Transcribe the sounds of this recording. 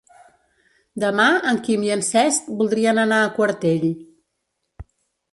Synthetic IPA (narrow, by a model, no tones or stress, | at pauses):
d̪əmaəŋkimjiənsɛst̪bulˠd̪ɾiənənaːkwəɾt̪eʎ